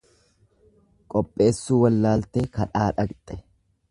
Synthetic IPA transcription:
kʼɔpʼːe̞ːsːuːwɐlːaːlt̪ekɐᶑaːᶑɐkʼt̪ʼɛ

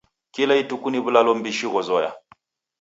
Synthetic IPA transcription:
kilaitukuniβulalɔm̩biʃiɣɔzɔja̰

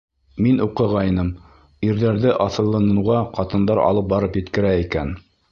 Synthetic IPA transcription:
minuqɤ̆ʁɑjnɤm | iɾðæɾðɘʔɑθɤ̆lˠːɑnɤ̆wʁɑqɑt̪ɤ̆nd̪ɑɾɑ̰lˠɤp̚bɑɾɤpjɘ̆t̪kɘ̆ɾæikæn

